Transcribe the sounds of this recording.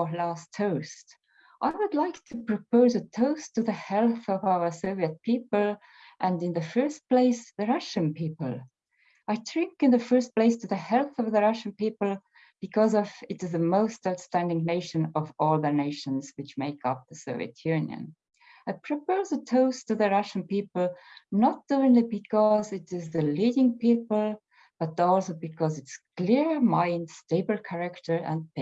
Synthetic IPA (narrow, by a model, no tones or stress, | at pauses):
læstʰːoʊst | ʔaɪwədˡlaɪktʰɨpʰɹ̥ɨpoʊzɨtʰoʊstʰɨðɨhɛlˠθʌvaʊə˞soʊviɨt̚pʰipəl̩ˠ | ʔɨ̃ndɨ̃nðɨfɜ˞st̚pl̥eɪsðɨɹʌʃɨ̃npipəl̩ˠ | ʔaɪtʰɹ̥ɪ̃ŋkɨ̃nðɨfɜ˞st̚pleɪstʰɨðɨhɛlˠθʌvðəɹʌʃn̩pipl̩ˠ | b̥ɨkʰʌzʌvɨɾɨzðɨmoʊstaʊtstæ̃ndɪ̃ŋneɪʃɨ̃nʌvɔlˠðəneɪʃə̃nzwɨt͡ʃmeɪkʌp̚ðəsoʊvḭɨ̰tʰjʉ̃njə̰̃n | aɪpʰɹ̥ɨpozətʰoʊstɨðɨɹʌʃn̩pipl̩ˠnət̚d̥uɪ̃nlibɨkʰɔzɨtɪzðɨlidɪ̃ŋpipəl̩ˠ | b̥ʌtɔlˠsoʊbɨkʰɔzɨtskʰl̥ɪɹmãɪ̃nd̥steɪbə˞kʰæɹɨktə˞ə̰̃n̚pe